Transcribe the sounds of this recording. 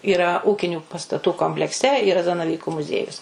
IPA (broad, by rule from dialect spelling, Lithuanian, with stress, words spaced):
iːˈrɐ ˈuːkʲɪnʲuː pɐstɐˈtuː koːmʲpʲlʲɛkˈsʲɛ iːˈrɐ zɐnɐˈʋʲiːkʊ mʊˈzʲiɛjʊs